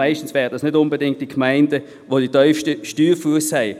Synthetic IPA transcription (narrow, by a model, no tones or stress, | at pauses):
aɪʃtn̩svɛːʁdɑsnʏdʊnbədɪŋk̚t̚dikʰmaɪndə | ʋoːd̥itœʏfʃtəʃtyːfuəshɛɪ